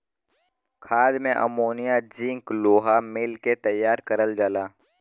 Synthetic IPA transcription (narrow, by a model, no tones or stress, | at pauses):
kʰaːd̪mẽʔə̰moːnijad͡ʒĩŋkloːɦamɪlket̪əjːaːɾkəɾəld͡ʒaːlaː